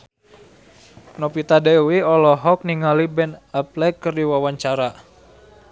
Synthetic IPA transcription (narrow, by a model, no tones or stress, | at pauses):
nɔpit̪adɛwiɔlɔɦɔk̚niŋalibɛnaplɛkəriwawaɲt͡ʃaɾa